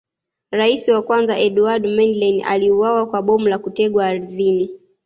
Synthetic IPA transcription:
ɾaisiwakwanzaʔɛɗuadmɛnlɛnʔa̰liuwawakwaɓɔmulakutɛɠwaːɾiðini

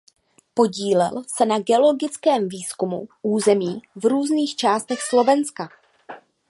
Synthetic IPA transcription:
po̞ɟiːlɛ̰lsɛnaɡɛo̞lo̞ɡɪt͡skɛːmviːskumṵʔuːzɛmiːvɾuːzniːxt͡ʃaːst̪ɛxslo̞vɛnska

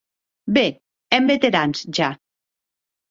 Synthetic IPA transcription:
be | ɛmbet̪eɾansʒa

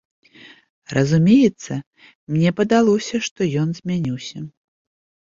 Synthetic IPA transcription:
rɐzumʲejɛt̪sːɐ | mnʲɛpɐd̪alˠɔsʲɐʂt̪ɔjɔnzʲmʲanʲiwsʲɐ

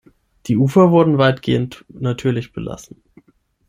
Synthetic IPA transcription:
d̥iːʔuːfɐvʊɐdn̩vaɪtɡ̥eːəntnatʰyːɐlɪçb̥əla̰sn̩

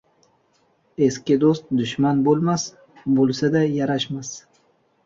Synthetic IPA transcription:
e̞skʲɪd̪ost̪̚d̪ʊʃmanbolˠmas | bolˠsad̪ajaɾaʃmas

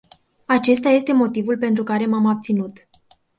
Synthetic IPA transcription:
at͡ʃe̞st̪aje̞st̪e̞mo̞t̪ivulpe̞nt̪ɾukaɾe̞mamab̚t̪sinut̪

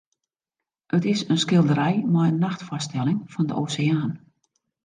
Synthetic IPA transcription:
ətɪsənskɪlˠdəɾɛjmɛjənːaxtfɔstɛlɪŋfɔndəʔoːseaːn

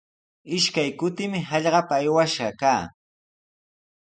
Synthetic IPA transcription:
ɪʃkajkʊt̪ɪmɪɦɑʎɢɑpaːjwaʃɢɑkaː

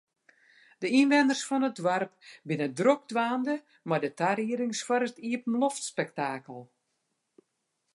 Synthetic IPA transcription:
d̥əinʋɛndərsfɔnət̚dʋarp̚bɪnədrok̚dʋaːndə | madətaɾiəɾɪŋsfwɔɾətiəpən̩loftspɛktaːkəlˠ

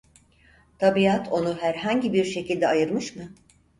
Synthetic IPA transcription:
t̪ʰabiat̪ʰo̞nuɦæɾɦaɲɟibiɾʃe̞cʰilʲd̪ɛajɯɾmɯʃmɯ

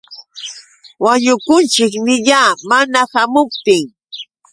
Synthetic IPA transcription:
waɲʊkʊnt͡ʃɪkmɪʎaːmanahamʊp̚t̪ɪŋ

